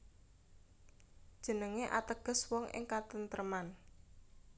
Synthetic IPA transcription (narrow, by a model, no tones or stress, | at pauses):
d̥ʒ̥ə̤nəŋeʔa̰t̪əɡ̥ə̤swɔŋʔɪ̰ŋkat̪ənt̪əɾəman